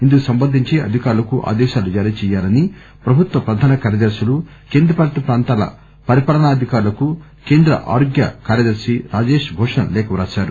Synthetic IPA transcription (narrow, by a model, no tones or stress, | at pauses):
ind̪ukusɐmbɐnd̪ʱiɲt͡ʃiɐ̰d̪ʱikaːɾulɐkuʔa̰ːd̪ɛːʃaːlud͡ʒaːɾiːɐt͡ʃɛːjaːlɐni | pɾɐbʱut̪ʋɐpɾɐd̪ʱaːnɐkaːɾjɐd̪ɐɾsulu | keːnd̪ɾɐpaːlt̪ipɾaːnt̪aːlɐ̰ | pɐɾipaːlɐnaːɐd̪ʱikaːɾulɐku | keːnd̪ɾɐ̰ʔa̰ːɾoːɡjɐ̰kaːɾjɐd̪ɐɾsiɾaːd͡ʒeːʂbʱɔːʂɐnɐ̰lɛːkɐʋɾaːsaːɾu